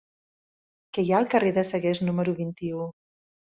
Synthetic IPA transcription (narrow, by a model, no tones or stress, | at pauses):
kɛjaəlˠkəreðəsəɣeznuməɾuβint̪iu